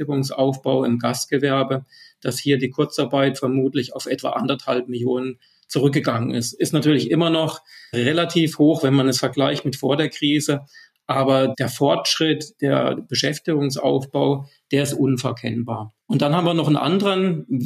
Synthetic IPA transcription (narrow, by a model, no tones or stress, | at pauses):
ɪɡʊŋsʔa̰ʊfb̥aʊɪmɡastɡ̥əvɛɐbəd̥ashiːɐdiːkʰʊɐt͡saɐbaɪtfɛɐmuːtlɪçaʊfʔɛtv̥a̰ːʔandɐthalp̚mɪljoːnən | t͡suʁʏk̚ɡəɡaŋənɪ̰stɪstnatyːɐlɪçʔɪmɐnɔχʁelatʰiːfhoːxv̥ɛnmanɛsfɛɐɡlaɪçtmɪtfoːɐdeːɐkʁ̥iːzə | ʔaːbɐd̥eːɐfɔɐtʃʁ̥ɪtd̥eːɐb̥əʃɛftɪɡʊŋsʔa̰ʊfb̥aʊd̥eːɐɪstʔʊnfɛɐkʰɛnbaːɐʔʊnt̚d̥anhaːbmviːɐnɔχn̩ʔa̰ndəʁən